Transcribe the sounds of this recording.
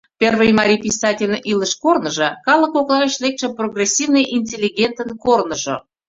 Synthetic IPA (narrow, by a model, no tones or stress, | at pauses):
pʲervəjmɑɾʲipʲisɑtʲelʲʔiləʃkornə̆ʒɤ̆kɑlə̆koklˠɑβet͡ɕlek̚t̪ʃĕproɣrʲesʲivnəjʔinʲtʲelʲːiɡʲent̪ənkornəʒo̰